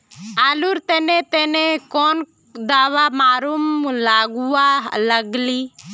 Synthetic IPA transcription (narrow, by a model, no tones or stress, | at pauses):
aːluɾt̪enet̪enekon | d̪aːʋamaːɾumːulaːɡuwaləɡli